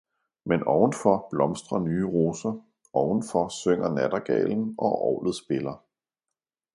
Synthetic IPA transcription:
menʔɒʊn̩fɒb̥lɒ̽msd̥ʁɐnyːəʁo̝ːsɐ | ʔɒʊn̩fɒ̽søŋ̰ɐnæd̥ɐɡ̥ɛ̰ɪln̩ʔɒ̽ʔɒ̰ʊlð̩ˠsb̥e̝lɐ

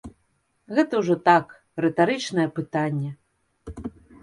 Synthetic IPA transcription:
ɣɛt̪ɐwʐɔt̪ak | rɛt̪aɾɨt͡ʂnɐjɛpɨt̪anʲːɛ

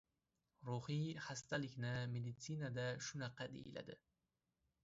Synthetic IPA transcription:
ɾuhihast̪alɪkʲnɪmed̪ɪt̪sinad̪aʃʊnaqːɑd̪ḛjɪ̰la̰d̪ɪ

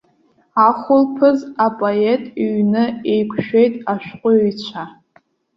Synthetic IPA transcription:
aχʷʊlpʰɨzapʼoetʼiɥnɨejkʷʰʃᶣe̞jtʼaʃᶣqʷʼʊijt͡ɕʷʰa

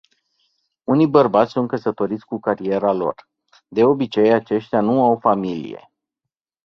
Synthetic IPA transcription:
unijbərbat̪sʲsunt̪̚kəsət̪o̞ɾit̪sʲkukaɾie̞ɾalo̞̰r | d̪e̞o̞bit͡ʃe̞jat͡ʃe̞ʃt̪eanuawfamilḭje̞̰

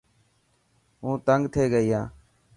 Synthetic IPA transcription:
ɦũːt̪əŋɡt̪ʰeːɡəiːɦãː

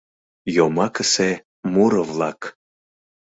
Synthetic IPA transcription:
jomɑkəse | muɾɤvlˠɑk

